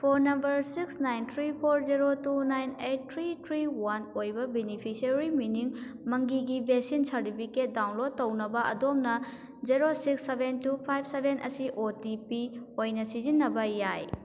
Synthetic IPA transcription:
pʰoɾnɐmbɐɾsiksnajnt̪ʰɾipʰoɾziɾotunajnejt̚tʰɾitʰɾiwanojbɐbenipʰisɐɾiminiŋmɐŋɡiɡibesinsɐɾtipʰiket̚dawnlod̚ːɐwnɐbɐʔɐ̰domnɐ | ziɾosiksːebʱentupʰajb̚ʰʱsebʱenʔɐ̰siʔotipiojnɐsizinːɐbɐjaj

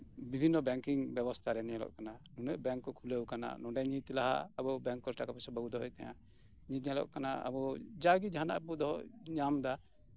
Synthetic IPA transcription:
bibʱinːɔbɛŋkiŋbɛbɔst̪ʰaɾɛnɛɛlɔ̰ʔkananunɛʔ̚bɛŋkːɔkʰulewkana̰nɔɖɛɲit̪laɦa̰abɔbɛ̃ŋkːɔɾʈakapɛsɔbabud̪ɔɦɔjt̪aja̰ | ɲit̪̚ɲalɔ̰ʔkanaa̰bɔd͡ʒaɡid͡ʒʱana̰ʔbud̪ɔɦɔʔɲamd̪a

